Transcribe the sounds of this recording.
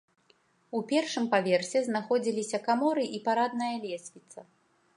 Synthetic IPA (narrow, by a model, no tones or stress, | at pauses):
upʲɛrʂɨmpavʲɛrsʲɛzn̪axɔd͡zʲilʲisʲɐkamɔɾɨʔipaɾad̪nɐjɐlʲɛsʲvʲit̪sɐ